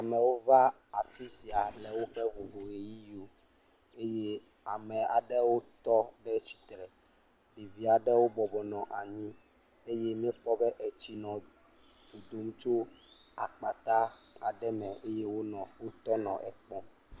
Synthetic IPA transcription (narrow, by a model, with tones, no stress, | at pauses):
a˨mɛ̃˨wo˦va˦ | a˨fi˦si˨a˨lɛ˨wo˦ɸɛ˦vo˨vo˨ɣe˨ji˦o˨ | e˦je˦ | a˨mɛ̃˨a˨ɖɛ˦wo˦t̪ɔ˦ɖɛ˦t͡ɕi̥˨t̪ɾɛ˨ | ɖi˨vi˦a˨ɖɛ˦wo˦bɔ˨bɔ˨nɔ̃˨ʔa˨ɲĩ˦ | e˦je˦mĩ˦e˦k͡pɔ˦bɛ˦ʔɛ˨t͡ɕi˦nɔ̃˨ | d̪̥o˨d̪o˦m˦t͡ʃo˦ | a˨k͡pa˨t̪a˦a˨ɖɛ˦mɛ̃˨ʔe˦je˦wo˦nɔ̃˨wo˦t̪ɔ˦nɔ̃˨ʔɛ˨k͡pɔ̃˦